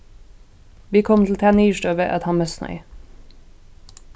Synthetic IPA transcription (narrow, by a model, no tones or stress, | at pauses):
ʋiːkʰɔmt̪ʰl̩t̪ʰæːniːʃʈøːʋeʔɑt̪hɑmɛsnœ̰ʏ